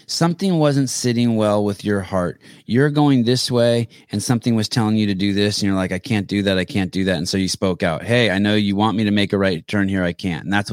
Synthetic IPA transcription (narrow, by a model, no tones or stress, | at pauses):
sʌ̃mθɪ̃ŋwʌzɨ̃ntsɪɾɪ̃ŋwɛlˠwɪðjə˞hɑɹt̚ | jə˞ɡoʊɪ̃ŋðɪsweɪ | ɨ̃nsʌ̃mθɪ̃ŋwʌz̥tʰɛlˠɪ̃ŋjɨɾɨdɨðɪsn̩jə˞laɪkaɪkʰæ̃nd̥ɨðɨɾaɪkʰæ̃nd̥ɨðætn̩soʊjɨspoʊkaʊt̚heɪaɪnoʊjɨwɑ̃nmiɾɨmeɪkɨɹaɪtʰɜ̃˞nhiɹaɪkʰæ̰̃nn̩ðæts